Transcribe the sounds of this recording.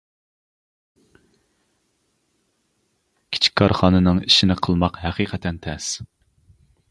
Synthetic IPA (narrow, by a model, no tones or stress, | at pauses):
kʲʰi̥t͡ʃʰi̥k̚ʲkʰːɑɾχɑːnɨnɨŋiʃɪnɪqʰəlˠmɑqɦæqʰiqʰɛt̪ʰɛnt̪ʰɛs